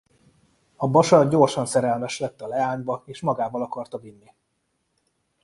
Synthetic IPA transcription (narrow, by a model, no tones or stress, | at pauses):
ɒbɒʃɒɟorʃɒnsɛɾɛlmɛʃlɛt̪ːɒlɛaːɲbɒeːʃmɒɡaːvɒlɒkɒrt̪ɒvinːi